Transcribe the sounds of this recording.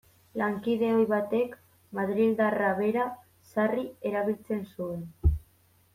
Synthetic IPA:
laŋkiðe̞o̞jβat̪e̞k | maðɾild̪araβe̞ɾa | sarie̞ɾaβ̞ilt͡se̞nsue̞n

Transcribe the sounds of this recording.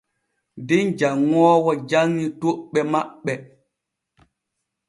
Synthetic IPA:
dind͡ʒaŋːɔːwɔd͡ʒaŋːitoɓɛmaɓːɛ

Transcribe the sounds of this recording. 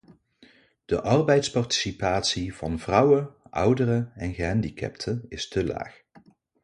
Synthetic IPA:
d̥əʔɑrbɛjtspɑrti̥sipaːtsiv̥ɑnvrʌwəʔʌ̰wdərəɛnɣəɦɛndikɛ̰ptʰənɪstəla̰ːx

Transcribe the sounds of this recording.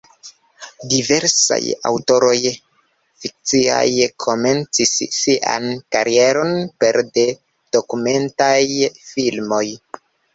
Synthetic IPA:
dive̞ɾsa̰ja̰wto̞ɾo̞j | fik̚t͡sia̰jkʰo̞me̞nt͡sisːiʔa̰nkaɾie̞ɾo̞npe̞ɾde | d̥o̞kume̞ntajfilmo̞j

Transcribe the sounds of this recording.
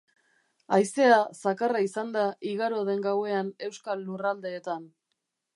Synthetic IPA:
ajse̞asakaraisand̪aʔiɣaɾo̞ð̞e̞ŋɡawe̞ane̞wskalːurald̪e̞ːt̪an

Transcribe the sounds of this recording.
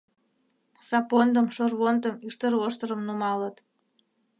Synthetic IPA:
sɑpond̪əmʃorβont̪əmyʃt̪ərβoʃt̪əɾəmnumɑlət̪

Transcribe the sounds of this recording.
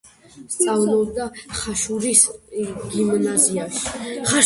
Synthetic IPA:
st̪sʼavlɔb̚d̪aχaʃuɾisɡimnaziaʃi̥χaʃ

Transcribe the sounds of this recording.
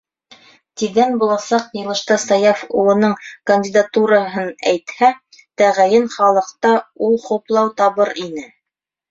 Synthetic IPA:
t̪iðænbulˠɑsɑqjɤ̆lˠɤ̆ʃt̪ɑsɑjɑfṵlˠɤ̆nɤɴkɐnʲdʲɪd̪at̪uɾɑɦɤnæjt̪hæ | t̪æʁæjɘnχɑlˠɤ̆qt̪ɑulˠχŭplˠɑwt̪ɑβɤɾinɘ

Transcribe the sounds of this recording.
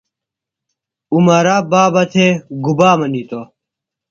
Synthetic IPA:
umɐɾaːbaːbɐt̪ʰeɡubaːmɐnit̪o

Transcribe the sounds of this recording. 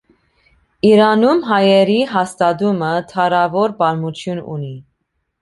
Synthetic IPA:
iɾɑnumɦɑjɛɾiɦɑst̪ɑd̪umət̪ʰɑɾɑvɔɾbɑɾmut̪ʰjunṵni

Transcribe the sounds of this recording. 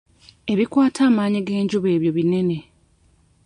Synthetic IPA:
e̞βikwaːtʰaːmaːɲiɡe̞ːɲɟuβe̞ːβjo̞βine̞ne̞

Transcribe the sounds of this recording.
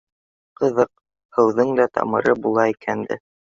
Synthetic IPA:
qɤ̆ðɤq̚ | hɤ̆wðɤŋd̪æt̪ɑ̰mɤ̆ɾɤbulˠɑikʰænd̪ɘ̰

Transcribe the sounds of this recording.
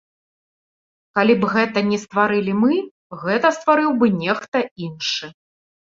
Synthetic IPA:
kalʲibɣɛt̪ɐnʲɛst̪vaɾɨlʲimɨ | ɣɛt̪ɐst̪vaɾɨwbɨnʲɛxt̪ɐinʂɨ

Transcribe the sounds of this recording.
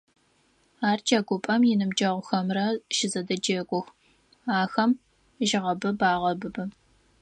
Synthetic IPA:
aːrt͡ʃʰʼɐɡʷʊpʼɐmjɪnɨmd͡ʒɐʁʷʊxɐmrɐʃɪzɐdɐd͡ʒeːkʷʼʊx | aːxɐm | ʒɪʁɐbɨbaːʁɐbɨbɨ

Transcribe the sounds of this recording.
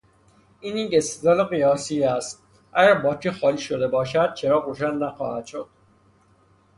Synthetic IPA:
iːniɟest̪ezɒːleɣijɒːsiæst̪̚ | ʔæɟæɾbɒːcʰixɒːliːʃo̞d̪e̞bɒːʃæd̪̥̚t͡ʃʰeɾɒːɾoːʃænːæxɒ̰ːhæd̪̥ʃod̪̥̚

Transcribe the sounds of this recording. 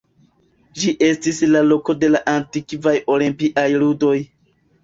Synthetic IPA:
d͡ʒiʔe̞stislalo̞ko̞de̞laʔantikvajo̞limpiʔajludo̞j

